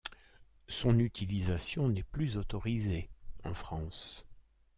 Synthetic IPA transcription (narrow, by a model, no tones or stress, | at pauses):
sɔ̃nyt̪ʰilizasjɔ̃nɛplyzot̪ɔʁizeɑ̃fχɑ̃s